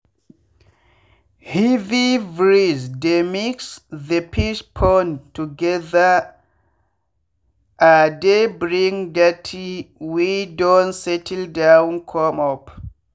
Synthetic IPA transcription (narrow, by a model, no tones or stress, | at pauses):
hivivɹizdemiksðəpʰiʃpʰɔntuɡɛða | ʔadebɹiŋdatʰiwidɔ̃nsɛtʰɛldawnkʰɔmɔp